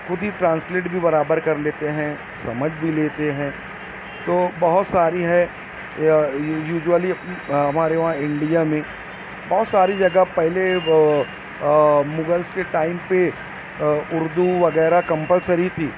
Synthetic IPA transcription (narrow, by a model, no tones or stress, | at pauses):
xʊd̪ʱiʈɾãːnsleːʈbʱibɐɾaːbəɾkɐɾleːt̪eɦɛ̃ | sɐməd͡ʒʱbʱileːt̪eɦɛ̃ː | t̪oːbɐɦʊt̪saːɾiɦɛ | juːd͡ʒwəliɦɐmaːɾeʋɐɦãɪ̃ɳɖijamẽ | bɔɦʊt̪saːɾid͡ʒɐɡapɛɦle | mʊɡəlskeʈaːɪmpe | ʊɾd̪uʋɐɣɛːɾakɐ̃mpəlsəɾit̪ʰiː